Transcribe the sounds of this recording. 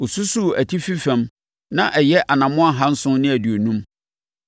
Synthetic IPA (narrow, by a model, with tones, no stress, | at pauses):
o˨su˦su˦˨æ˨tʰi˦fi˦fæ̃˨˦m | nã˦ʔɛ˨jɛ˦ʔa˨nã˨mʊ̃˦a˦ɦã˦n̩˦sʊ̃˦nɪ̃˦æ˨di˨o˨nũ˦m